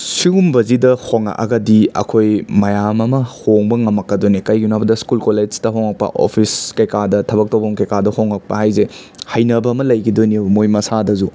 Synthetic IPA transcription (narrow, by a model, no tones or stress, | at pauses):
siɡumbɐzidɐhoŋɐ̰ʔɐ̰ɡɐdiɐ̰kʰojmɐjamɐmɐhoŋbɐŋɐmɐkːɐdonikɐjɡinabɐdɐskulkoled͡ʒtɐɦoŋɐk̚pɐ̰ʔo̰pʰiskɐjkadɐtʰɐbɐk̚towbɐmkɐjkadɐhoŋɐk̚pɐɦajzehɐjnɐbɐːmɐlɐjɡidoniɐbmojmɐsadɐzu